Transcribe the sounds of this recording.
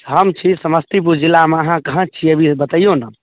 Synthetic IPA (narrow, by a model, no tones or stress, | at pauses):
ɦəmt͡ʃʰisəməst̪ʰip̬ud͡ʒilːameəɦãkəɦə̃t͡ʃʰiəbʱibət̪əijonə